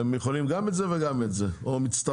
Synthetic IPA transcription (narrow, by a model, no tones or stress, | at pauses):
emjeχolimɡamɛtzevɛɡametzeomit͡st̪a